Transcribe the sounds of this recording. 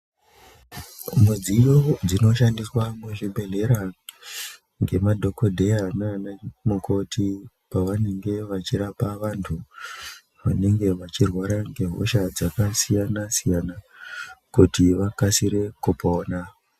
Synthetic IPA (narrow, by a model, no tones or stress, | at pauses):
mwe̞d͡ziːjod͡zino̞ʃandiswamweʐibʱe̞ɮe̞ɾa | ŋɡe̞madʱo̞ko̞dʱejananamukʰo̞tʰi | paʋane̞ŋɡe̞ʋat͡ʃiɾapaʋantʰu | ʋane̞ŋɡe̞ʋat͡ʃirwaɾaŋɡe̞ɦo̰ʃad͡zakasijanasijana | kutiʋakasiɾe̞kupoːna